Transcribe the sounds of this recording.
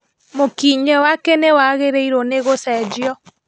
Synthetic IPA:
mokiɲɛwakɛnewaɣeɾeiɾoneɣosɛd͡ʒjɔ

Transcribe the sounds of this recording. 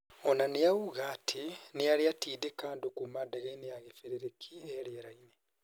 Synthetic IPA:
onanijawuɣaːtʰinijaliatiːdekaːndokumadaɣainejaɣefeɾeɾekʰielieɾaine

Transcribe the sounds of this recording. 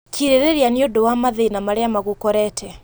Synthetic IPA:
kʰiɾeɾeɾianiodowamaðeinamaɾeamaɣukɔɾɛtʰɛ

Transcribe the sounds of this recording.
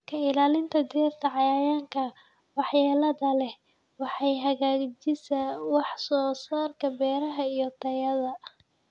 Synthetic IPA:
kʰɐɪlaːlɪnt̪ʰɐd̪iɐrt̪ʰɐʕɑjaːjaːŋkʰɐ | wɑħjaːlɐðɐlɛ | wɑħɑjɦɐɣaːɡd͡ʒɪsɐwɑħsɔːsaːrkʰɐbɛːɾɐɦɐijɔt̪ʰɐjɐðɐ

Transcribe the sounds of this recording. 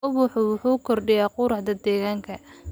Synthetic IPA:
ʊβʊħʊwʊħuːkʰɔrɖɪjaːqʊɾɑħd̪ɐd̪ɛːɣaːŋkʰɐ

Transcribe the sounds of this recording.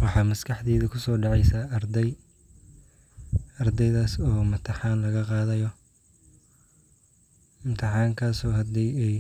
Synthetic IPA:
wɑħɑːmɐskʰɑħd̪iːðɐkʰʊsɔːɖɑʕɑjsaːɐrd̪ɛj | ɐrd̪ɛjðaːsɔːmɐt̪ʰɪħɑːnlɐɣɐqɑːðɐjɔ | ɪmt̪ʰɪħɑːŋkʰaːsɔːhɐd̪iːɛj

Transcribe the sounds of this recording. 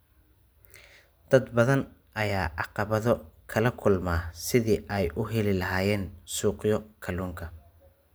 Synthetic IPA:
d̪̥ɐd̪bɐðɐnʔɐjaːʔɑqɑβɐðɔkʰɐlɐkʰʊlmaːsɪðiːʔɛjʔʊɦɛlɪlɐɦaːjɛːnsuːqjɔkʰɐluːŋkʰɐ

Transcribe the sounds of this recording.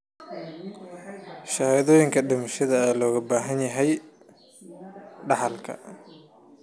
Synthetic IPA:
ʃɐhðɔːjɪŋkʰɐɖɪmɐʃɐðɐɛːlɔːɣɐbaːɦɐnjɐɦɛj | ɖɑħɑlkʰɐ̰

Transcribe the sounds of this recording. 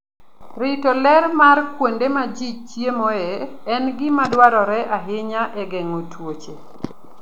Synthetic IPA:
ɾɪtolɛɾmarkwondemad͡ʒit͡ʃjemɔɛɛnɡɪmadwaɾɔɾɛʔaɦɪɲaʔɛɡɛŋotwot͡ʃe

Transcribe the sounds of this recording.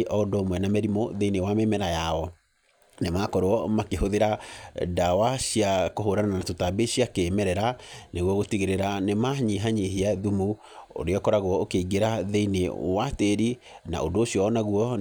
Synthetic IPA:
ʔɔdomwɛnamɛɾimoðeinewamemɛɾajaɔ | nemakɔɾoɔmakehoðeɾadawaɕiakoɦoɾanananatotabeɕiakemɛɾɛɾaneɣwɔɣotiɣeɾeɾanemaɲiɦaɲiɦiaðumu | o̰ɾeɔkɔɾaɣwɔokeiɡeɾaðeinewateɾina̰ʔodoːɕjɔːnaɣuɔ

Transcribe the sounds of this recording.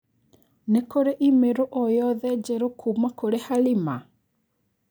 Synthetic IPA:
nekoɾeʔimeɾoʔojɔðɛd͡ʒeɾokʰumakoɾehalima

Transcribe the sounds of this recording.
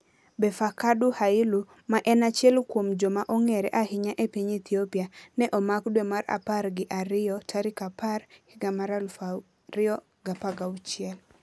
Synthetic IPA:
bɛfakaduhaɪlu | maʔɛnat͡ʃjɛlkwomd͡ʒomaʔɔŋɛɾɛʔahɪɲaʔepiɲit̪ʰiopianɛʔɔmakdwɛmaɾa̰parɡɪʔaɾɪjɔtʰaɾɪkaparhɪɡamaɾala | ɾɪɔ | ɡapaɡawt͡ʃɪɛl

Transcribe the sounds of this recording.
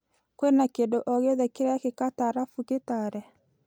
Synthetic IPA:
kwenakendoʔɔɣeðɛkeɾɛjakekataɾafuketaɾɛ

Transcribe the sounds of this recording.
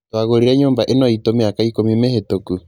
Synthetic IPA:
twaɣoɾiɾɛɲoːmbaʔenɔitomeakaikomimehetoku

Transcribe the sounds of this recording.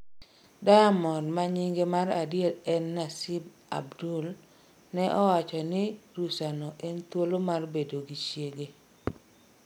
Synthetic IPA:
dajamɔrmaɲiŋɡemaradjetɛnːasib | a̰bdul | nɛʔɔwat͡ʃɔnɪɾusanɔʔɛnt̪wolomarbedoɡit͡ʃjeɡe

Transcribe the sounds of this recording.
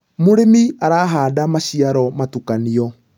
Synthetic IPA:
moɾemiaɾaːɦaːdamaɕiaɾɔmatukaniɔ

